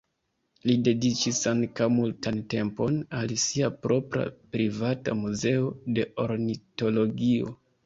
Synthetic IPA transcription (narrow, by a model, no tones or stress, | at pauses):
lide̞dit͡ʃisaŋkawmultante̞mpo̞nalsiapɾo̞pɾa̰pɾivata̰muze̞o̞de̞ʔo̞ɾnito̞lo̞ɡio̞̰